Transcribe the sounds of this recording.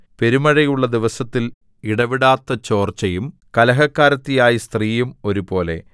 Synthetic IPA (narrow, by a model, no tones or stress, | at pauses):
pe̞ɾumɐɻɐjuɭːɐd̪iʋɐsɐt̪ːil | iɽɐʋiɽaːt̪ːɐt͡ɕo̞ːrt͡ɕːɐjum | kɐlɐɦɐkːaːɾɐt̪ːijaːjist̪riːjumo̞ɾubo̞ːle̞̰